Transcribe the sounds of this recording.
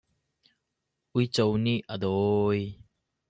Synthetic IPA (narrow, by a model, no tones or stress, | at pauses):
ʔujt͡sowniʔʔəd̪ɔj